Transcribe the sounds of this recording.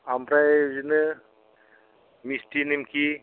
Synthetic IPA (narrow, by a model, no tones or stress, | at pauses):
ambɾajzinɯ | mistinimkʰi